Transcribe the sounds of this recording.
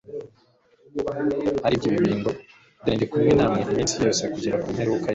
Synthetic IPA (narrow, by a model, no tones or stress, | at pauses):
haɾibɟiβiβiːŋɡo | deːndekumŋenaːmŋeamiːnsijo̞ːse̞kuɟiɾakumheɾiwuka